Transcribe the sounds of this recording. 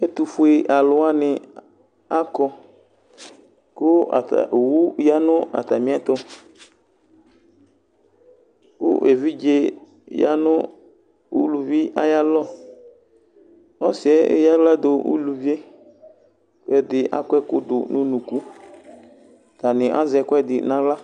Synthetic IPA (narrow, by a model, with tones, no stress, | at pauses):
e˦t̪u˨fʊ˦e˨ʔa˨lʊ˨a˦nɪ˨ | a˦kɔ˦ | kʊ˦a̰˨ta̰˨ʔwu˦ja˦nʊ̃˦a̰˨t̪a˨mĩ˦a˦t̪ɔ˦ | kʊ̰˦ʔe˨vi˦d͡ʒe˦ | ja̰˦nʊ˦ | ṵ˦lu˨vi˦ʔa˦ja˦lɔ˦˨ | ɔ˦sɪ˨ɛ˦ḛ˦ja˦la˦d̪ʊ˨ṵ˦lu˨vi˦e˦ | kʊ˦ɛ˦dɪ˨ʔa̰˦kɔ˦ɛ˦kʊ˦d̪ʊ˨nʊ̃˦nũ˨ku˦ | t̪a˨nɪ˨ʔa̰˦zɛ˨kʊ˦ɛ˦dɪ˨nã˦ɡla˦